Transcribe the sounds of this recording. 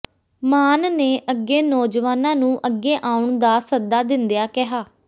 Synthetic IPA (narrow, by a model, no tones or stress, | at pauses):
maːnneːʔəɡːeːnɔːd͡ʒʋaːnãːnũːʔəɡeːʔãːʊɳd̪aːsəd̪aːd̪ɪnd̪ejaːkɪɦaː